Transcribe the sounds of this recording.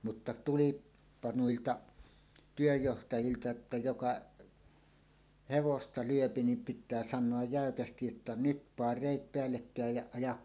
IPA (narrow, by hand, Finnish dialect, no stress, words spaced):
mutːɑ tulˑiːpːɑ nuiltɑ tyøjːohtɑjiltɑ etːæ jokɑʔ heʋostɑ lyøpi nim pitˑæː sɑnˑoɑj jæˑøkæstij jotːɑ nyt pɑːr reˑit peælːekːæˑej jɑ ɑjɑk